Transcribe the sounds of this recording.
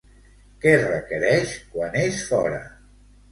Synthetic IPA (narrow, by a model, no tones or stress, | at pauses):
kɛrəkəɾɛʃkwaneʃfɔɾə̰